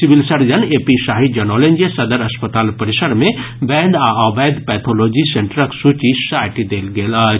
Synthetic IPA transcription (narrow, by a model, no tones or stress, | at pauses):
sɪʋɪlsɐɾd͡ʒəneːpiʃaːɦid͡ʒɐnoːlẽnd͡ʒesɐd̪əɾɐspət̪aːlpɐɾɪsəɾmẽ | bɛ̃ːnd̪aaːbɛːd̪pɛːt̪ʰoːloːd͡ʒisẽɳʈɾəksut͡ʃiʃaːʈid̪eːlɡeːla